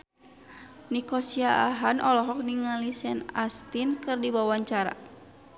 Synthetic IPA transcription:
nikɔsiaaɦanʔɔlɔɦɔk̚niŋalisɛnast̪inkɨrdibawaɲt͡ʃaɾa̰

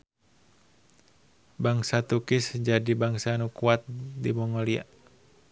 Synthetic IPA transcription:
baŋsat̪ukɪsd͡ʒadibaŋsanukuat̪̚dimɔŋɔlia̰ʔ

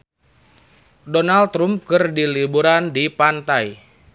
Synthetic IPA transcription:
donalt̪ɾum̚kɨrdilibuɾandipant̪aj

